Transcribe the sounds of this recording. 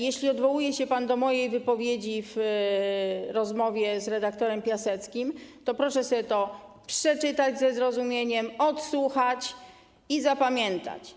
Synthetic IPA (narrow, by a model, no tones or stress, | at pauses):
jeɕlʲiɔd̪vɔwujɛɕɛpand̪ɔmɔjejvɘpɔvʲjed͡ʑiv | ɾɔzmɔvʲjɛzɾɛd̪ak̚t̪ɔɾɛmpʲjasɛt̪skʲimt̪ɔpɾɔʂɛsɔbʲt̪ɔ | pʂɛt͡ʂɘt̪ad͡ʑzɛzɾɔzumʲjeɲɛmɔt̪swuxat͡ɕ | izapamʲjɛnt̪a̰t͡ɕ